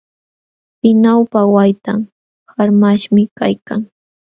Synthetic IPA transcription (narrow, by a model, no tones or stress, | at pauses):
pɪnawpawajt̪am | haɾmaʃmɪka̰jka̰ŋ